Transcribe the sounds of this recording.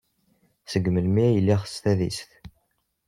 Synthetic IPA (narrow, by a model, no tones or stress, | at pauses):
səɡːməlmiæjəlːiχst̪æðḭsθ